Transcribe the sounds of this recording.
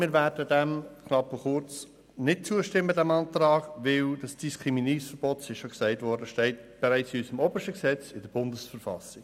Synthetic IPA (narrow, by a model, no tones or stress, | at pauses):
mɪːɾvæːɾdədɛmkʰnɑpːɔχʊɾt͡s | nɪt̚t͡suəʃtɪmːədæmɑnt̪ɾɑːɡ̥ʋɪld̥ɑsd̥iskʰɾiminiːsfəɾb̥ɔt̪sɪʃʃoksæɪtʋɔɾdəʃtɛɪtb̥ɛɾæɪt͡sɪysəmɔːbəʃtəksɛt͡sɪdəɾb̥ʊndəsfəɾfɑ̰sɪɡ̥